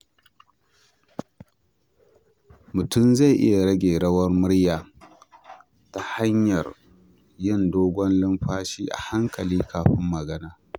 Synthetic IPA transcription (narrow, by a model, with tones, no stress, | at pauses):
mʊ˨tʊ˦˨mza˦˨ʔɪ̰˦ja˨ɽɐ˦ɡʲeː˨ɽɐ˦wɐ˦rmʊ˦ɽjaː˨ | ta˨ha˦ɲjɐ˨r | jɪ˦˨ndoː˦ɡʷɔ˦nlɪ˦mɸaː˦ʃiː˦ʔa̰˨ha˦ŋkɐ˨liː˦kʰaː˨ɸɪ˦mːɐ˨ɡɐ˦naː˦